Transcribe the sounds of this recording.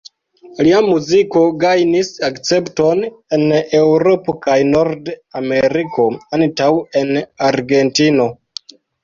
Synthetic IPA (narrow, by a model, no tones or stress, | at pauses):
liamuziko̞ɡajnisakt͡se̞pto̞nene̞wɾo̞pokajno̞ɾdame̞ɾikʰo̞antawe̞naɾɡe̞ntino̞